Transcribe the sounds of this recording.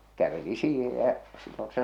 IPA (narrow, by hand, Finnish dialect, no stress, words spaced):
kæʋeli siːhej jæʔ silːon se